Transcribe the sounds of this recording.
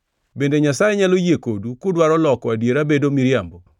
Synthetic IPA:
bendeɲasajɛɲalojekodukʊdwaɾɔlɔkɔadjeɾabedomiɾjambo

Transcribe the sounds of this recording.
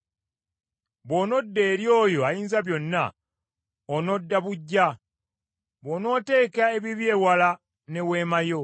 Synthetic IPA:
βwo̞ːno̞dːe̞ːɾjo̞ːjo̞ajiːnzaβjo̞nːa̰ | ono̞dːaβuɟːa | βo̞ːno̞ːte̞ːkae̞βiβje̞ːwala | ne̞we̞ːmajo̞

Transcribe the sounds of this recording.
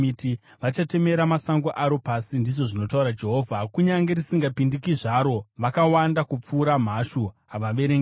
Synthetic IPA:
iti | ʋat͡ʃate̞me̞ɾamasaŋɡoʔaɾo̞pasindiʐo̞ʐino̞tauɾad͡ʒe̞ɦoːvʱakuɲaŋɡe̞ɾisiŋɡapindikiʐaɾo̞ʋakawandakup͡fuːɾam̤aʃuɦaʋaʋe̞ɾeŋɡ

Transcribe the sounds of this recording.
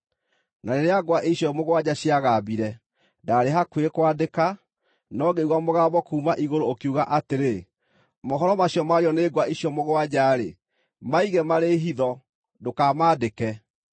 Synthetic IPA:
naɾeɾeaɡwaʔeɕjɔmoɣwad͡ʑaɕiaɣabiɾɛ | daɾeɦakwekwadeka | nɔɡeiɣwamoɣaːβɔkuːmaʔiɣoɾoːkuɣaʔateɾe | mɔɦɔɾɔmaɕjɔmaɾeɔneːɡwaiɕjɔmoɣwad͡ʑaɾe | maiɣɛmaɾeɦiðɔ | dokamaːdekɛ

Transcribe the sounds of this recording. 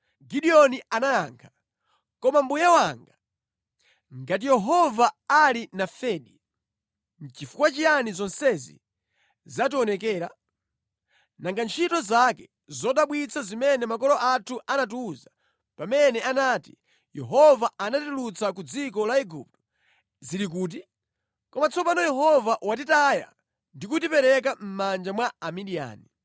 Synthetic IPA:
ɡiɗiɔnianajaːŋkʰḁ | kɔmambujawaŋɡa | ŋɡat̬ijɛɦɔvaalinafɛːɗi | t͡ʃifukwat͡ʃijanizɔnsɛzḭ | zatiɔnɛk̬ɛːɾa | naŋɡant͡ʃʰitɔzakɛ | zɔɗaɓwit͡sʰazimɛnɛmakɔlɔʔatʰuʔanat̬uza | pamɛnɛanaːtḭ | jɛɦɔvaanatilut͡sak̬ud͡zik̬ɔlaiɡup̚tɔ̥ | ziɾik̬uːt̬i | kɔmat͡sʰɔpanɔjɛɦɔvaʔwat̬itaːja̰ | ndik̬utipɛɾɛk̬am̩mand͡ʒamwaamiɗia̰ːni

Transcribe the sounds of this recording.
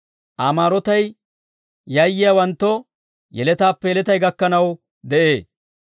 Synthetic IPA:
ʔaːmaːɾɔt̪ɐj | jɐjːɪjawɐnt̪ːɔ | jɛ̰lɛt̪aːpːɛjɛlɛt̪ɐjɡɐkːɐnɐw | d̪ɛʔeːs

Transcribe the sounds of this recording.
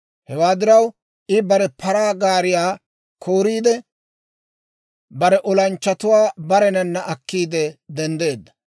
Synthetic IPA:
hɛwaːd̪ɪɾɐw | ʔɪbɐɾɛpɐɾaːɡaːɾɪjaː | kʰoːɾiːd̪ɛ | bɐɾɛʔɔlɐnt͡ʃːɐt̪ʊwaːbɐɾɛnɐnːɐʔɐkːiːd̪ɛd̪ɛnd̪e̞ːd̪ːɐ̥

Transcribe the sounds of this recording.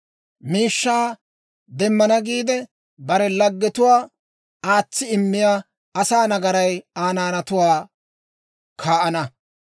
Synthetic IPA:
miːʃːaː | d̪ɛmːɐnɐɡiːd̪ɛ | bɐɾɛlɐɡːɛt̪ʊwaː | aːt͡sːɪɪmːɪjaː | ɐsaːnɐɡɐɾɐjaːnaːnɐt̪ʊwaː | kʰaːʔɐnɐ

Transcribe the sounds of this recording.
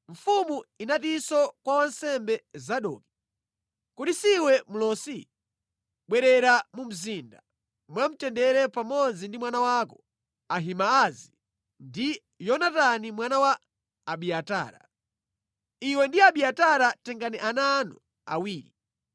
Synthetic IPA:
ɱ̩fumuinatisɔkwawansɛmbɛzaɗɔ̰ːki̥ | kutisiwɛmulɔsi | ɓwɛɾɛɾamum̩zinda | mwam̩tɛndɛɾɛpamɔd͡zindimwanawakɔ | aɦimaːzi | ndi | jɔnatanimwanawaː | ɓiata̰ːɾa̰ | iwɛndiaɓiataɾatɛŋɡaniʔananṵ | a̰wiːɾi

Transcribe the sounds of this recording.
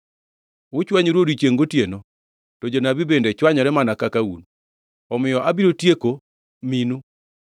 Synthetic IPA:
ʊt͡ʃwaɲɾwodit͡ʃeŋɡotjeno | tod͡ʒonabibendɛt͡ʃwaɲɔɾɛmanakakaṵn | ɔmɪjɔʔabiɾotjeko | minu

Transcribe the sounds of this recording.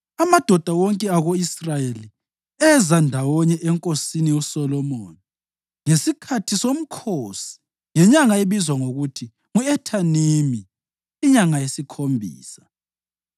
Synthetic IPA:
amad̥ʱɔd̥ʱawɔŋkʼɛaɣoisrajeli | ɛzandʱawɔɲɛʔɛŋkʼosinijɔsɔlɔmoːni | ŋesikʰatʰisom̩kʰosi̥ | ŋɛɲaŋaeβizwaŋoɣutʰi | ŋuɛtʰanimiː | ɲaŋajesikʰombʱḭːsḁ

